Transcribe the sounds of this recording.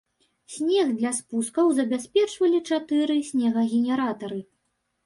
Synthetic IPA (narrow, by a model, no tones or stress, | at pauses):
sʲnʲɛɣd̪lʲaspuskɐwzɐbʲasʲpʲɛt͡ʂvɐlʲit͡ʂat̪ɨɾɨsʲnʲɛɣɐɣʲɛnʲɛɾat̪ɐɾɨ